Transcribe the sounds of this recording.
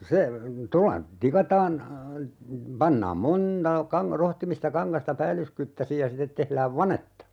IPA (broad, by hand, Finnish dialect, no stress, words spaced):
se tolːɑ tikɑtɑːn pɑnːɑːm monˑtɑ kɑŋ rohtimistɑ kɑŋkɑstɑ pæːlːyskytːæsij jɑ sitet tehlæːʋ ʋɑnetːɑ